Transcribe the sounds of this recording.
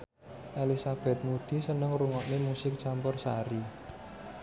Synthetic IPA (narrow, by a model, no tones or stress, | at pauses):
ʔelisab̥ɛ̤t̪̚mud̪̥i̤sənəŋruŋɔʔnemusɪk̚t͡ʃampʊrsa̰ɾi